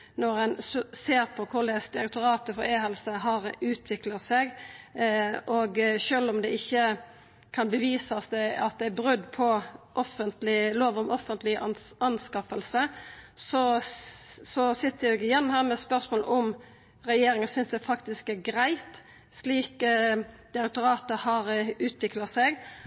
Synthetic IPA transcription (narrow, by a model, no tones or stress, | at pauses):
nɔɾɛnsseːɾpʰɔkʰʊɾd̪ɛsd̪ɪɾɛk̚t̪ʊɾɑːt̪əfɔɾeːɦɛlsəɦɑɾʉːt̪ʰʋɪkləsɛɡ | ʔoɡʃøːlɔmd̪ɛɪçːə | kʰɑnbəʋiːsɑsd̪ɛɑt̪̚d̪ɛæbɾʉd̪ːpʰɔʔɔfːənt̪lɪloːʋəɾɔmɔfːənt̪lɪɑnskɑfəlsəsɔ | sɔsɪt̪ːəɾjɛɡɪjɛnːhæːʁmɛspœʁsmoːlʔʊm | ʁɛjeːɾɪŋənsʏnsd̪æfɑkt̪ɪskæɾɡɾæɪt̪ | sliːk | d̪̥ɪɾɛk̚t̪ʊɾɑːt̪əhɑɾʉːt̪ʰʋɪklɑsɛɡ